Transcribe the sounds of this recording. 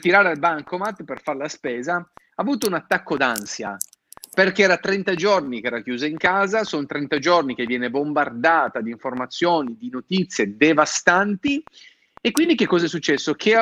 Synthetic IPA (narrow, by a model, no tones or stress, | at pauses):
t̪iɾaːɾealbaŋkomat̪ːperfarlaspɛːza | aːvuːt̪ounat̪ːakːod̪ansja | perkeɛːɾat̪ɾɛnt̪ad͡ʒornikeɛːɾakjuːzaiŋkaːzasont̪ɾɛnt̪ad͡ʒornik̟evːjɛːnebombard̪aːt̪ad̪iɱformat̪sːjoːnid̪inot̪it̪sːjed̪evast̪ant̪i | ekːwind̪ik̟ekːɔːzɛs̬ːut͡ʃːɛsːokʰe